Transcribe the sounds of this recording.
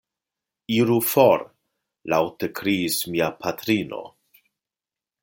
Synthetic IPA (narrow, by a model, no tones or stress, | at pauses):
iɾufoɾ | lawt̪ekʰɾiːsmiapʰat̪ɾino̰